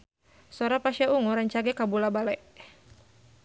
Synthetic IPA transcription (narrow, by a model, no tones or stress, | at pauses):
sɔɾapaʃauŋuɾaɲt͡ʃaɡɛkabulabalɛʔ